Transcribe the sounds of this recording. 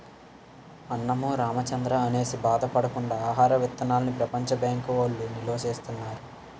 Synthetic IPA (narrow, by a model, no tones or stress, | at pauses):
ɐnːɐmuːɾaːmɐt͡ʃɐnd̪ɾɐːne̞ːsibaːd̪ɐpɐɽɐkuɳɖaːɦaːɾɐʋit̪ːɐnaːlɐnipɾɐpɐɲt͡ʃɐbjaːŋkʋolːiniloːʃeːst̪unːaːɾu